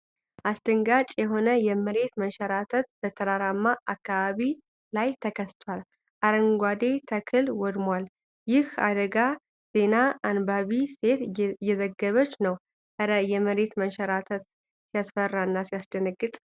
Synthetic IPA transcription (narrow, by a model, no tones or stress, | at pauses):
ʔasd̪̥əŋɡat͡ʃʼjɛɦo̞nəjɛməɾe̞t̪məʃəɾat̪ʰət̪bət̪ʰəɾaɾamːaʔakːaβaβi | lajt̪ʰəkʰəst̪ʰwal | ʔaɾəŋɡʷad̪e̞t̪ʰəkʰɨlwɔd̪mwal | jɪha̰d̪əɡa | z̥e̞naːnbaβise̞t̪jːɛzəɡːəβət͡ʃːnəw | ʔəɾəjɛməɾe̞t̪məʃɛɾat̪ʰət̪ | sijasfərːaɨnːasijasd̪ənəɡːɨt̪ʼ